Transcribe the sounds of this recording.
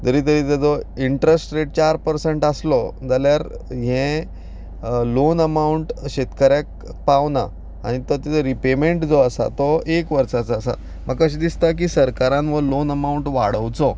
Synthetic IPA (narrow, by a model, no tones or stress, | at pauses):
t̪əɾiːt̪̬əɾiːt̪ed͡zɔiɳʈɾesʈɾeʈ̚t͡ɕaɾpəɾseɳʈaslɔd͡zaljaɾ | ɦɛ̃ | lonəmauɳʈɕet̪kəɾjak̚ | pawna̰ | a̰ɽ̃it̪ɔt̪ed͡zɔɾipemeɳʈd͡zɔəsa̰t̪ɔekʋəɾsat͡sːsa̰ | məɡkəɕid̪ist̪ak̬iːsəɾkaɾãnʋəlonəmauɳʈʋa̰ɽ̤əʋt͡sɔ